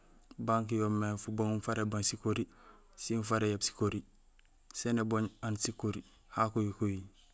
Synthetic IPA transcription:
baŋk̬ijomːefuboŋunfaɾebaŋsikoɾi | sinfaɾejabsi̥koɾi | seneboɲansikoɾi | hakojikoji

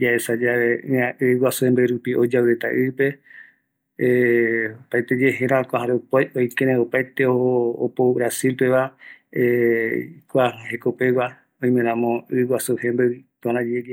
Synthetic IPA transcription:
d͡ʒaesad͡ʒaʋeɨ̃ãɨwasuhembeɨɾupiʔo̞d͡ʒawet̪a̰ʔɨpe̞ | pajt̪ed͡ʒe̞ɦẽɾãkʷaɦãɾopajojkeɾẽopajt̪eooːpoβɾasilpe̞ʋa | kʷahekopewa | oj̃mẽnãmõɨwasuhẽmbeɨt̪uãɾãd͡ʒeɾia

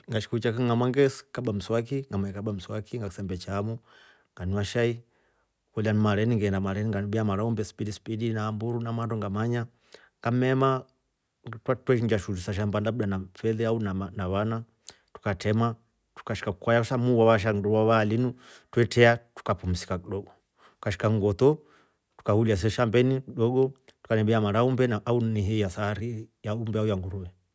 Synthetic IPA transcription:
ŋɡaʃi̥kuut͡ʃakiŋamaŋɡɛskaɓam̩swakiŋamakaɓam̩swakiŋɡakisambɛt͡ʃaːmu | ŋɡaniwaʃai | kulianimaɾɛniŋɡɛndamaɾɛniŋɡanbiamaɾaɔmbɛsi̥pidispidinaːmbuɾunamandɔŋɡamaɲa | ŋɡamɛma | twatwɛʃ̬iɲd͡ʒaʃulusaʃ̬ambandabuɗanafɛðɛaunaanaβana | tu̥katʰɛma | tu̥kaʃi̥kakukwajasamuwaβaʃ̬andwaβalinutwɛtɛatu̥kapum̩si̥kakiɗɔɡɔ | tukaʃi̥kaŋɡɔt̪ɔ | tu̥kahulias̬ɛʃambɛnikiɗɔɡɔtu̥kanɛbɛamaɾaumbɛauniɦijasaɾijaumbɛaujaŋɡuɾuwɛ

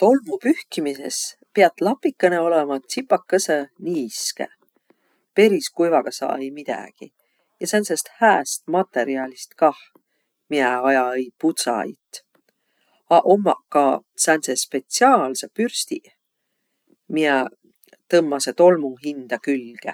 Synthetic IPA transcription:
t̪o̞lmupyhkimise̞̰spiɑt̪ːˑlɑpːˑikːɤneo̞lemɑt̪sipːˑɑkːɤsəniːskḛ | pe̞ɾiskujvɑɡ̥ɑsɑ̰ːejmid̪̥æ̰ɡ̥ḭ | jɑsænsest̪hæːst̪̚mɑt̪ːe̞ɾiɑlʲist̪kɑh | miɛɑjɑejput̪sɑ̰jt̪ˑ | ɑʔomːɑkɑsænsespe̞t̪siɑːlsepyrst̪i | miɛ | t̪ɤmːɑset̪o̞lmuɦind̪̥ɑkylɡ̥ḛ

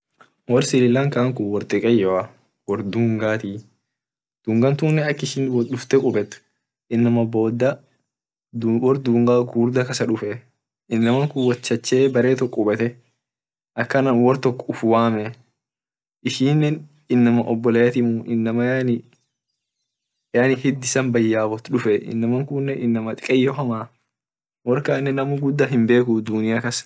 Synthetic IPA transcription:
wɔɾsɪlɪlːɐŋkaːŋkʊwɔɾt̪ʼɪkʼɐjːɔɐ | wɔɾd̪uːŋɡaːt̪i | d̪̥uːŋɡɐnt̪unːɛɐkːɪʃɪnwɔɗʊft̪ɛkʼʊbɛt̪ːʊ̥ | ʔɪnːɐmɐboːd̪ːɐ | d̪wɔɾd̪uːŋɡaːɡuːɾd̪ɐkɐsɐᶑʊfɛ | ʔɪnːɐmɐŋkʊwɐt͡ʃːɐt͡ʃːeːbɐɾeːt̪ɔkʼːʊbɛt̪ɛ | ʔɐkːɐnɐmwɔɾt̪ɔkːɔʊfʊwaːmɛ | ʔɪʃiːnːɛn | ɪnːɐmɐʔɔbːɔlɐjɐt̪ɪmuʔɪnːɐmɐnɪ | anɪhɪd̪ɪsɐnbɐjːaːbɔt̪ᶑʊfɛʔɪ̰nːɐmɐŋkʊnːɛɪnːɐmɐt̪ʼɪkʼɛjːɔɦɐmaː | wɔɾkaːnːɛnɐmʊɡʊd̪ːɐɦɪmbe̞ːkʊd̪ʊnɪjakɐs

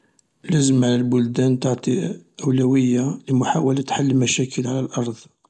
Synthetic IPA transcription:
ləzəmʕlælbʊld̪ænt̪oʕt̪ˤiʔəwlæwəjːaləmʊħawælæt̪ħalːəmæʃækʰəlʕalælʔɑɾˤd̪ˤ

